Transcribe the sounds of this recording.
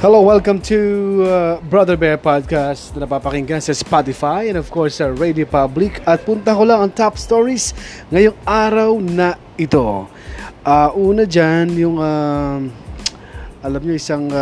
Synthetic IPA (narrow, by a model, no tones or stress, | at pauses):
hɛlowɛlkɐ̃mt̪ʰuabɹɐðɛɹbɛɹpad̪̚kast̪nɐnɐpapɐkɪŋɡasɐspat̪ɪfajɛ̃ndɔv̥kɔɹsːɐɹejd̪iopablɪkɐt̪̚pʊnt̪ɐkolaŋɐŋt̪apst̪oɹis | ŋɐjoŋaːɾɐwnɐ | ʔɪt̪o̞ | ʔaʔuːnɐd͡ʒanjʊŋa | ʔɐlɐmɲoɪsaŋ